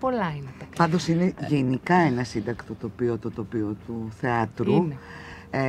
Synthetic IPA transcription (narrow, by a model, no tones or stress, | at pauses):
polɐinetɐpɐnd̪o̞sine̞ʝenikɐe̞nɐsind̪ɐkt̪o̞t̪o̞piot̪ot̪o̞piot̪uθe̞ɐt̪ɾu | e